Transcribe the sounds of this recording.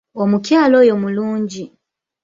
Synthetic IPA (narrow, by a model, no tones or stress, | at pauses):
omukjaːlo̞ːjo̞muluːɲɟi